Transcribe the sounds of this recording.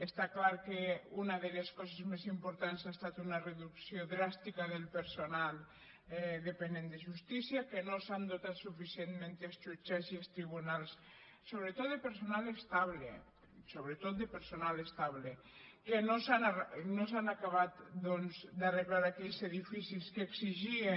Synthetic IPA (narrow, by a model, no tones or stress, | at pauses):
est̪aklaɾkeunaðeleskɔzezmezimpoɾt̪ansast̪at̪unareðuksjoðɾast̪ikaðelpeɾsonalˠ | ðepenend̪eʒust̪isiakenosand̪ot̪at̪sufisienmẽnt̪est͡ʃut͡ʃaziest̪ɾiβ̞unalˠsː | oβɾet̪ot̪̚d̪epeɾsonalest̪aβlḛ | soβɾet̪ot̪̚d̪epeɾsonalest̪aβle | kenosananosanakaβat̪d̪onzd̪areɣlaɾakɛʎzeðifisiskeːksiʒie